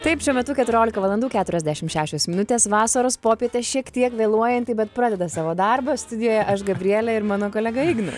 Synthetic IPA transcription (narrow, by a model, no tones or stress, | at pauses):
t̪ɐɪpʃʲuɔmʲɛt̪ʊkʲɛt̪ʊɾʲoːlʲɪkɐʋɐlˠɐnduːkʲæːt̪ʊɾʲɛzʲd̪ʲæʃʲɪmʃʲæːʃʲoːsmʲɪnʊt̪ʲeːsʋɑːsɐɾoːspoːpʲiɛt̪ʲeʃʲiɛkt̪ʲiɛkʋʲeːlˠuɔjɛnt̪ʲɪbʲɛt̪pɾɑːd̪ʲɛd̪ɐsɑːʋoːd̪ɐrbɐst̪ʊd̪ʲɪjoːjɛʔɐʃɡɐbʲɾʲɪiɛlʲɛɪɾmɑːnoːkoːlʲɛɡɐɪːɡnʊ̰